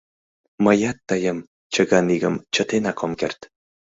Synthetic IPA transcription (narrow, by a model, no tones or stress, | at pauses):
məjɑt̪ːəjəm | t͡ɕəɣɑniɣəmt͡ɕə̆t̪enɑkʰomkert̪